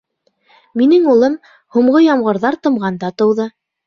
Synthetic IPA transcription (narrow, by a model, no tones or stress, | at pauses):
minɘŋulˠɤm | huɴʁɤjɑmʁɤ̆ɾðɑɾt̪ɤ̆mʁɑnd̪ɑt̪ɤ̆wðɤ